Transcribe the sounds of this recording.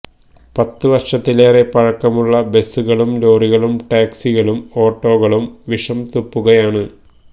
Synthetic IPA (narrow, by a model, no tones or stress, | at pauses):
pɐt̪ːɨʋɐrʂɐt̪ːileːre̞pɐɻɐkːɐmuɭːɐbe̞sːuɣɐɭumlo̞ːriɣɐɭumʈaːksiɣɐɭumo̞ːʈːo̞ːɣɐɭumʋiʂɐmt̪upːuɣɐjaːɳɨ